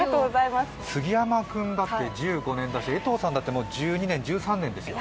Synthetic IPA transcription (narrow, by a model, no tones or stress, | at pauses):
at̪oːɡozaimas | sɨɡʲijamakɯ̟̃nd̪at̪ːe̞d͡ʑɨːɡo̞nẽ̞nd̪aɕit̪eet̪o̞ːsãnd̪at̪ːemod͡ʑɨːɲ̟inẽ̞ɲ̟d͡ʑɨːsãnːẽ̞nd̪e̞sɨjo̰